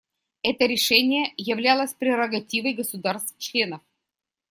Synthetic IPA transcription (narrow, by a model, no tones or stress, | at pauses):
ɛt̪əɾʲɪʂɛnʲɪjəjɪvlʲalˠəsʲpɾʲɪɾəɡɐtʲivəjɡəsʊd̪arst̪ft͡ɕlʲe̞nəf